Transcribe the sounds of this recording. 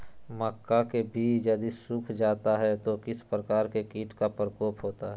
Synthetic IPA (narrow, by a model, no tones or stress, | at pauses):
məkːakebʱiːt͡ʃjɐd̪isʊkʰd͡ʒaːt̪aɦɛt̪okɪspɾəkaːɾkekiːʈkapɾəkoːpɦoːt̪aɦɛ